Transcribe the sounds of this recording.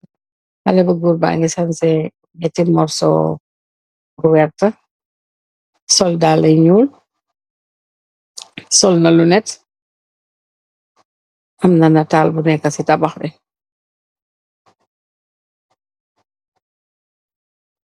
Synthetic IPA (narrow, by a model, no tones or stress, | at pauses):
hɐ̰lɛbɐɡuɾba̰ŋisɐnsɛ | mɛtimɔrsɔ̰ | ɾuwɛrtɐ | sɔldaːlɐjɲuːl | sɔlnɐlunɛt | ʔɐmnɐnɐtaːlbunɛkːɐsitɐbɐxbɛ